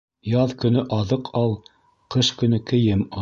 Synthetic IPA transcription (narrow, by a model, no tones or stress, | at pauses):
jɑðkɵ̆nɵʔɑðɤqʰɑlˠ | qɤʃkɵ̆nɵkɘ̆jɘmɑ